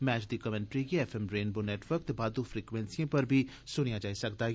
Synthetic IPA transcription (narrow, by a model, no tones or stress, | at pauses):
mɛːt͡ʃd̪iːkəmɛ̃ːɳʈɾiːɡiɛːpʰɛmɾeːnboːnɛːʈʋəɾk̚t̪ebaːd̪uːfʰɾiːkʋɛ̃nsiãːpəɾbʱiː | sʊɽ̃ijaːd͡ʒaːisəkd̪aː